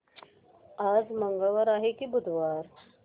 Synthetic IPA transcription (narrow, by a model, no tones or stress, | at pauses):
ad͡zməŋɡəʋəɾaɦekibud̪ʱʋaɾ